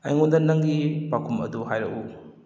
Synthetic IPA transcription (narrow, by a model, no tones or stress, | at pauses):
ɐ̰jŋundɐnɐŋɡipakʰumɐ̰duɦajɾɐku